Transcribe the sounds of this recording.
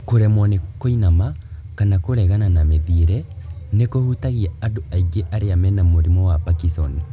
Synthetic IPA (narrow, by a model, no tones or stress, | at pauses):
koɾɛmwanekoinama | kanakoɾɛɣananameðiɾɛ | nekohutaɣiaadoaiɡeʔaɾeamɛnamoɾimɔwapakisɔn